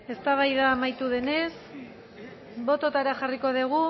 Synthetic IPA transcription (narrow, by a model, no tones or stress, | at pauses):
e̞st̪aβ̞ajðaːmajt̪uðe̞ne̞s | bo̞t̪o̞t̪aɾaxariko̞ðeɣ̞u